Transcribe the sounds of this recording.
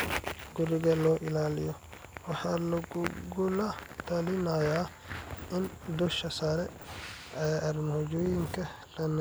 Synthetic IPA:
ɡʊɾɪɡɐlɔːʔɪlaːlɪ̰jɔ | wɑħaːlɐɡɡʊlɐt̪ʰɐlɪnajaː | ɪnd̪ʊʃɐsalɛ | ɛʔɐɾmhɔd͡ʒɔːjɪŋkʰɐ | lɐn

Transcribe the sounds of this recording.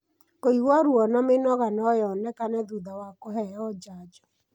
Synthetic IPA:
koiɣwaɾuɔnɔmenɔɣanɔjɔnɛkanɛðuðawakohɛɔd͡ʒad͡ʒɔ̥

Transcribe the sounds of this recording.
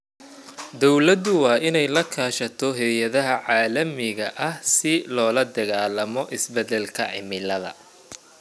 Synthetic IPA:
d̪ɔwlɐd̪ʊwɑːʔɪnɛjlɐkʰaːʃɐt̪ʰɔɦɛðjɐðɐɦɐʕɑːlɐmɪɣɐʔɐhsɪlɔːlɐd̪ɐɣaːlɐmɔʔɪsbɛd̪ɛlkʰɐ̰ʕɪ̰mɪlɐðɐ̰

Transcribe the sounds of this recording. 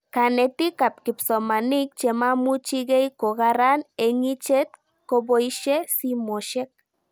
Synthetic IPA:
kanet̪ikap̚kipsomanik̚t͡ʃemamut͡ʃiɣejkoɣaɾaneŋit͡ʃet̪̚ | kobojʃesimoʃek̚

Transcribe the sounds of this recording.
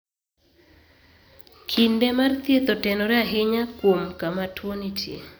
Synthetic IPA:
kʰindemart̪jet̪ɔtɛnɔɾɛaɦɪɲakwomkamatʰwonitjḛ

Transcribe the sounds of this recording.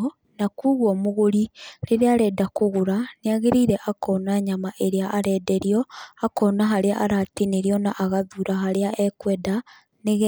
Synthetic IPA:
nakuːɣwomoɣoɾiɾeɾeaɾɛdakoɣuɾaneaɣeɾiːɾɛʔakɔnaɲamaʔeɾeaʔːɾɛdɛɾiɔakɔnaɦaɾeaʔːɾatineɾjɔnaʔaɣaðuːɾaɦaɾeaʔɛkwɛːda | neɣ

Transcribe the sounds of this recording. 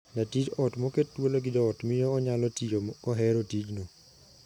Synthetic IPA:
natid͡ʒɔtmokettwoloɡɪdɔɔtmɪjɔːɲalɔtioɔɦɛɾotid͡ʒno

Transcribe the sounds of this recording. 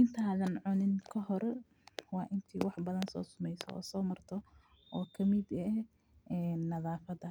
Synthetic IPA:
ʔɪnt̪ʰaːðɐnʕʊnɪnkʰɐhɔɾ | wɑːʔɪnt̪ʰiːwɑħbɐðɐnsɔ̰ːsʊmɛjsɔ̰ɔ̰ːsɔːmɐrt̪ʰɔ | ʔɔːkʰɐmɪd̪ɛɛ | ɛːnːɐðaːfɐdɐ

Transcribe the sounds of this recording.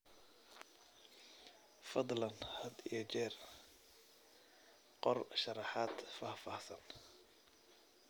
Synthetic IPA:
fɑd̪ˤlɐnhɐd̪ijɞt͡ʃɛːr | qɔrʃɑɾɑħaːd̪faːfɑːhsɐn

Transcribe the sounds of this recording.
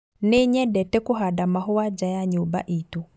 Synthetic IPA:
neɲɛdɛtɛkuɦadamaɦʊwad͡ʒajaɲuba̰ʔitu

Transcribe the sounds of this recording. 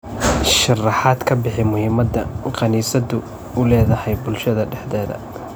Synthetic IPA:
ʃɑrɑħaːd̪kʰɐbɪħɪmʊhiːmɐd̪ɐqɑniːsɐd̪ʊ | ʊlɛːðɐhɛjbʊlʃɐðɐɖɛħd̪ɛːðɐ̰

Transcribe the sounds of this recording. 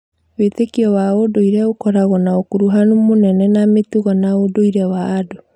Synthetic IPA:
wetekiɔwaodoiɾɛokɔɾaɣɔnaokuɾuɦanumonɛnɛnametuɣɔnaodoiɾɛwaːdo

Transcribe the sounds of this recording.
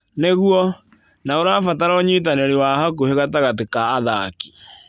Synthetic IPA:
neɣuɔ | naoɾaːfataɾɔɲit̬aneɾiwahak̬oheɣataɣatekaːðaki̥

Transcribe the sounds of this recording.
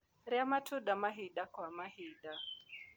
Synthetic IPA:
ɾjamatʰʊɗamaɦiɗakwamahiɗa

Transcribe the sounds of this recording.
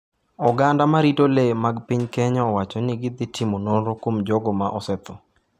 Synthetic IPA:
ɔɡandamaɾitolemaɡpiɲkɛɲɔɔwat͡ʃɔnɪɡɪd̪ɪtʰimonoɾokwomd͡ʒɔɡɔmaʔɔsɛt̪ɔ

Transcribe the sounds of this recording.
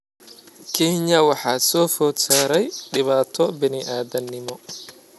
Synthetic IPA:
kʰɛːɲɐwɑħɑːsɔːfɔːd̪saːɾɛjɖɪβaːt̪ʰɔbɪnɪʔaːðɐnːɪmɔ

